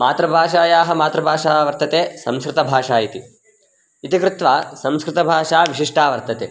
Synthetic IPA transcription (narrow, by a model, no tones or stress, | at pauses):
maːt̪ɾɐbʱaːʃaːjaːɦɐmaːt̪ɾɐbʱaːʂaːʋɐɾt̪ɐt̪eːsɐ̃mskɾɪt̪ɐbʱaːʂaːit̪i | it̪ikɾɪt̪ʋaːsɐ̃mskɾɪt̪ɐbʱaːʂaːʋiʂiʂʈaːʋɐɾt̪ɐt̪eː